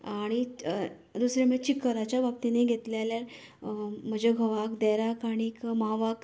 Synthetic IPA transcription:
aɽ̃i | d̪usɾemet͡ɕikːəɾat͡ɕjabab̚t̪ineɡʱet̪ljaljaɾ | m̤əd͡ʑeɡʱəʋakd̪eɾakaɽ̃ikmaʋak

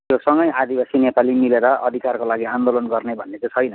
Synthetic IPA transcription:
t̪josʌŋɡʌjad̪ibasinepalimileɾʌʔʌd̪ʱikarkolaɡiand̪olʌnɡʌrnebʱʌnːet͡set͡sʰʌjnʌ

